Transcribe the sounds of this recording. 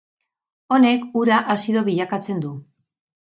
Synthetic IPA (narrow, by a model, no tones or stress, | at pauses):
o̞ne̞kuɾaʔasiðo̞βiʎakat͡se̞nd̪u